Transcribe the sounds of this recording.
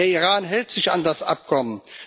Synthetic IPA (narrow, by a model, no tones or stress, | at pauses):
eːɐiʁaːnɦɛltz̥ɪça̰ndasʔa̰p̚kʰɔmən